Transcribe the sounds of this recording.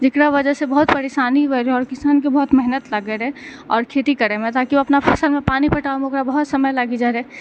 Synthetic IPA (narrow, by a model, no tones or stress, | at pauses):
d͡ʒɪkɾaʋəd͡ʒəsebəɦut̪pəɾeʃaːnibeɾeɔːɾkɪsaːnkebɐɦʊt̪mɛɦnət̪ləɡeɾɛɔːɾkʰet̪ikəɾemẽt̪aːkioɐpnapʰɐsəlmẽpaːnipəʈaomeokɾabɐɦʊt̪səməjlaɡid͡ʒaɾɛ